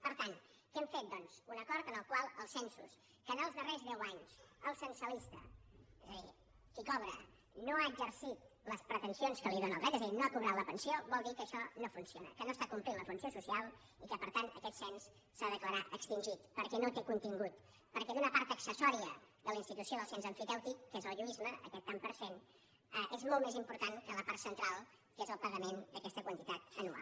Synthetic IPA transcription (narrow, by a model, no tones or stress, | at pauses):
pəɾt̪an | kɛmfet̪̚d̪ɔnz̥unəkɔɾt̪ənəlˠkwalˠəlˠsɛnsṵs | kənəlˠzðərezðɛwaɲsəlˠsənsəlist̪ə̰ezəðḭ | kikɔβɾə | noaːɡzəɾsit̪̚ləspɾət̪ənsionskəliðonəlˠrɛt̪ezðinoakuβɾat̪ləpənsioβɔlˠd̪ikəːʃɔnofunsionə̰kənost̪akumplinləfunsiosusialˠ | ikəpəɾt̪ant̪əkɛt̪sɛns | saðəkləɾaʔəkst̪inʲʒit̪pəɾkɛnot̪ekunt̪iŋɡut̪ | pəɾkɛðunəpaɾt̪əksəsɔɾiəðələinst̪it̪usioðəlˠsɛnzəɱfipɛwt̪ikːezəlˠʒuizməə̰kɛt̪ːampəɾsen | əʔezmɔlˠtmezimpuɾt̪ankələpaɾt̪sənt̪ɾalˠ | kezəlˠpəɣəmend̪əkɛst̪əkwənt̪it̪at̪ənua̰